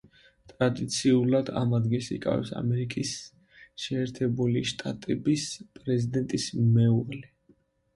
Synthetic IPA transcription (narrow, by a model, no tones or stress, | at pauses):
t̪ʼɾad̪it̪sʰiulˠad̪a̰mad̪ɡisḭkʼa̰vɛ̰psa̰mɛɾikʼis | ʃɛːɾt̪ʰɛbuliʃt̪ʼat̪ʼɛbispʼɾɛzid̪ɛnt̪ʼismɛuʁli